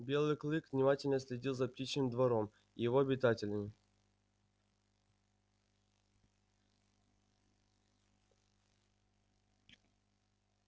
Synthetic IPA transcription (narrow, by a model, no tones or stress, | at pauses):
bʲe̞lˠɨjklˠɨkvnʲɪmatʲɪlʲnəsʲlʲɪdʲilˠzɐp̚tʲit͡ɕnɨmd̪vɐɾom | jɪvoɐbʲɪt̪atʲɪlʲəmʲɪ